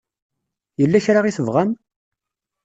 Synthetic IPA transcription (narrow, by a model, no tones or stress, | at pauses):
jəlːæçɾaʁiθəvʁæm